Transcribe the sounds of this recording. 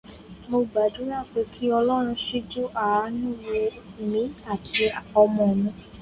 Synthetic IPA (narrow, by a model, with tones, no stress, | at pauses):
mo˧ɡ͡ba˨dũ˨˦ɾa˦˨k͡pe˨˧˦kʰi˦ɔ˧lɔ˦ɾ̃ũ˧ʃi˦d͡ʒu˦ʔa˨a˧˦nũ˦˨we˧˨ | mĩ˨˦a˦˨tʰi˧ɔ˧mɔ̃˨mũ˧˦